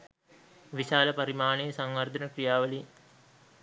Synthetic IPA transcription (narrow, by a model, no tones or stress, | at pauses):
ʋiʃaːlɐpɐɾimaːɳijsɐŋʋɐrd̪ʱɐnɐkrijaːʋɐli